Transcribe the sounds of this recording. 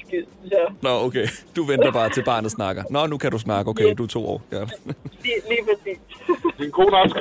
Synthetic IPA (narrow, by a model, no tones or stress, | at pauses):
ɡ̥esjænɒoʊkʰed̥uʋend̥ɐb̥ɑ̈ːt͡sʰe̝lb̥ɑ̰̈ːnð̩ˠsnɑ̈ɡ̥ɐnɒnukʰædus̬nɑ̈ɡ̥əoʊkʰeɪd̥uɐt͡sʰo̝̰ːɒ̰ːjæiliːpʰʁɐsḭːsd̥inɡ̥o̝̰ːnɑsɡ̥